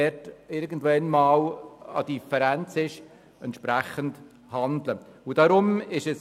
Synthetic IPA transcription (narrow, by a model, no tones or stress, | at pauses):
ɛtɪɾɡən̩dʋɛnmɑːlɑ̰d̥ifəɾænt͡sɪʃ | ɛntʃpɾæχənd | hɑndlə | ʊd̥ɑɾʊmɪʃəs